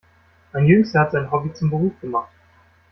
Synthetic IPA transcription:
ãɪnjʉŋshatz̥ãɪ̃nɦɔbit͡sʊmbəʁuːfɡ̥əmaχt̚

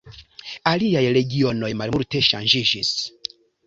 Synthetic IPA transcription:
aliajɾeɡionojmalmuɾteʃa̰nd͡ʒiʒis

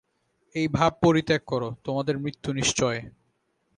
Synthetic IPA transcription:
ejbʱab̚poɾit̪ːekkːɔɾot̪omad̪eɾmɾit̪ːuniʃt͡ɕɔe

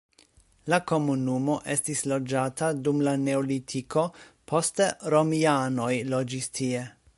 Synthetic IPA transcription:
lako̞munumo̞ʔe̞stislo̞d͡ʒatʰadumlane̞olitʰiko̞pʰo̞steɾo̞miano̞jlo̞d͡ʒistʰie

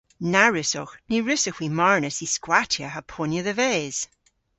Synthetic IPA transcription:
naɹɪsɔxniɹɪsəxwimaɹnəsiskwatʰjaɦapʰɔnjəðəvɛːz̥

